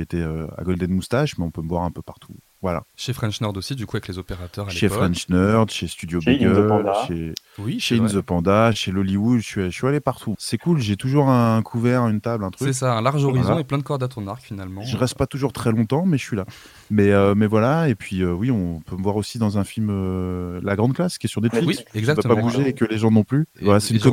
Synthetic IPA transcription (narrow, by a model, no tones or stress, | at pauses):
et̪ɛø̰a̰ɡɔld̪ɛnmust̪aʃmɛɔ̃pøməvwaʁɛ̃pøpaʁt̪ʰu | vwala̰ʃefχɛ̃nʃnœʁd̪osid̪ykuavɛklezopeʁat̪œʁaʃefχɛ̃nʃnœʁd̪ʃest̪yd̪jobiɡœaʃe | wiʃeinzəpɑ̃d̪aʃelɔliwud̪ʃɥisɥialepaʁt̪ʰusɛkulʒet̪uʒuʁɛ̃kʰuvɛʁynt̪ablɛ̃t̪χyksɛsaɛ̃laʁʒɔʁiz̃eplɛ̃d̪əkɔʁd̪at̪χənaʁkfinalmɑ̃ʒəʁɛst̪̚pat̪uʒuʁt̪χɛlɔ̃t̪ɑ̃mɛʒəsɥila | mɛømɛvwalaepɥiøwiɔ̃pøməvwaʁosid̪ɑ̃zɛ̃filmølaɡʁɑ̃d̪̚klaskʲiɛsyʁd̪ɛt̪fliszakvapabuʒeːkəleʒɑ̃nɔ̃plyvwalasɛynkɔ